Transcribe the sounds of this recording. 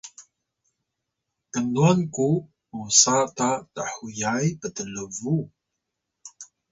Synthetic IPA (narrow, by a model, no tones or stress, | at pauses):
kənuanku | musatataħujajpətələvu